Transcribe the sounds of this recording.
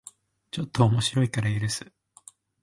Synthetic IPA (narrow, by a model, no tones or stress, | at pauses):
t͡ɕo̞t̪ːoːmo̞ɕiɾo̞ikaɾaiɾɯ̟sɨ̥